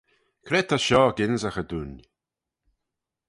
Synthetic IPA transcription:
kʰɾɛt̪ʰaʃɔːɡɪnzaxəd̪un

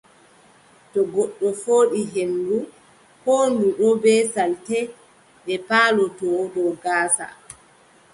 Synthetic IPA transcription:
tɔɡɔɗːɔfoːɗiɦendu | honduɗɔbɛːsaltɛ | ɗɛpaːlɔtɔdɔɡaːsa̰

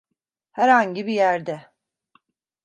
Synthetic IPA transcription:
hæɾhaɲɟibijæɾd̪ɛ

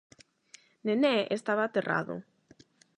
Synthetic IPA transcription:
nenɛʔest̪aβaːt̪erʔa̰ðʊ̰

